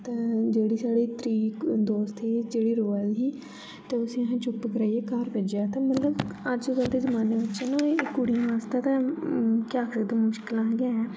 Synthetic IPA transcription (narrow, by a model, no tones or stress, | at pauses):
t̪ẽːd͡ʒeːɽiːsaːɽiːt̪ɾiːd̪oːst̪id͡ʒeːɽiːɾoːəlɦiː | t̪eːʊsĩːɦãːt͡ʃʊpkəɾaːieːkaɾped͡ʒaːt̪ẽːmət̪ləbəd͡ʒɡəld̪eːzəmaːneːʋɪtːʃãːnãkːʊɽiãːʋaːst̪aːt̪ɛ̃ːkaːkək̚d̪eːmʊʃkɪlãːɦɡãːɛː